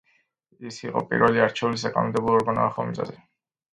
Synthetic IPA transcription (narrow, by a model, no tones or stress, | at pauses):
isiqʼɔ̰pʼḭɾvɛliaɾt͡ʃʰɛulis̬akʼanɔmd̪ɛblˠɔɔɾɡana̰aχɔmizʼa̰zɛ